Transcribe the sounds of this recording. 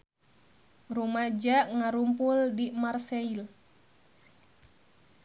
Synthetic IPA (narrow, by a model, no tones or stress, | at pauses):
rumad͡ʒaʔŋaɾumpuldimarseil